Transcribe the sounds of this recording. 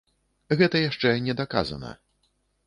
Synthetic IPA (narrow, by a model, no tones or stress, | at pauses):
ɣɛt̪ɐjaʂt͡ʂɛnʲɛd̪aka̰zɐ̰nɐ̰